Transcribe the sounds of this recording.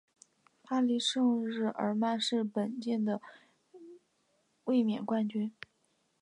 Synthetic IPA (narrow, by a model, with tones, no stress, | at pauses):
pʰa˥li˧˥ʂɤ˥˧ŋɻɻ̩˥˩ʔə̰˞˧˥ma˥˧nʂɻ̩˥˩pə˨˩nt͡ɕjɛ˥˩nd̪ə˩ | we˥˩ɪmjɛ˨˩nkwa˥nt͡ɕy˥n